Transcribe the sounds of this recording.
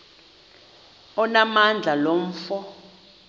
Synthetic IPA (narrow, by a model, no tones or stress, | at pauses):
ɔnamand͡ɮʱalom̩fɔ